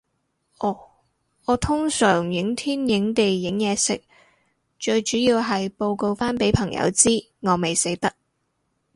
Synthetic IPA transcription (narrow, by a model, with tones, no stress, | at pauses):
ʔɔː˨˩ | ɔː˨˧t̪ʰʊ˥ŋsœː˨˩ŋjɪ˨˥ŋt̪ʰiː˥njɪ˨˥ŋt̪e˨jːɪ˨˥ŋjɛː˨˧sɪ̰˨˥k̚ | t͡ʃɵ˧ɥt͡ʃyː˨˥jiː˧wɦɐ˨jpo˧wko˧wfaː˥npe˨˥jpʰɐ˨˩ŋjɐ̰˨˧˥wt͡siː˥ | ŋɔː˨˧me˨jse˨˥jt̪ɐ˥k̚